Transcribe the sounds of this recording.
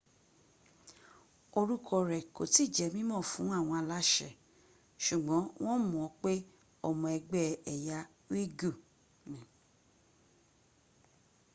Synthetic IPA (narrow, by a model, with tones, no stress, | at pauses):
o˧ɾu˦kʰɔ˧ɾɛ˨ko̰˨ti˦˨d͡ʒɛ˨mĩ˦mɔ̃˦˨fũ˨˦a˦˨w̃ɔ̃˧a˧la˦ʃɛ̰˦˨ | ʃu˨ɡ͡bɔ̃˨˦w̃ɔ̃˦mũ˨ɔ˨˦k͡pe˦ | ɔ˧˨mɔ̃˧ɛ˧ɡ͡bɛ˦˨ɛ˨ja˧ | wi˦ɡu˦˨ | nĩ˨